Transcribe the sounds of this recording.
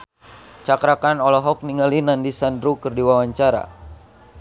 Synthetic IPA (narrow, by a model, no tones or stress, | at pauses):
t͡ʃakɾakanɔlɔɦɔk̚niŋalinandisandɾukɨrdiwawaɲt͡ʃaɾa̰